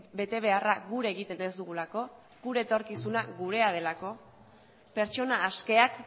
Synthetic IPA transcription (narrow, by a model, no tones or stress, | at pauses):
be̞t̪e̞β̞e̞araɡuɾe̞ɣ̞it̪e̞ne̞zd̪uɣ̞ulako̞ | ɡuɾet̪o̞ɾkisunaɣuɾe̞að̞e̞lako̞ | pe̞ɾt͡ʃo̞naːske̞ak